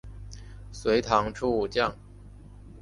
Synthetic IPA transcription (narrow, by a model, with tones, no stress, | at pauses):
swe˧˥ɪt̪ʰɑ˧˥ŋʈ͡ʂʰu˥˧u˥˩t͡ɕjɑ˥˩ŋ